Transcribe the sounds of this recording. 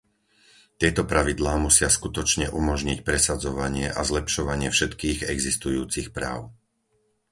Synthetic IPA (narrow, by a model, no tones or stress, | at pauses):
t̪ɪɛt̪ɔpɾaʋid̪laːmusɪaskut̪ɔt͡ʃɲɛʔumɔʒɲicpɾɛsad͡zɔʋaɲɪɛʔazlɛpʃɔʋaɲɪɛfʃɛt̪kiːɣɛɡzist̪ujuːt͡sixpɾa̰ːʊ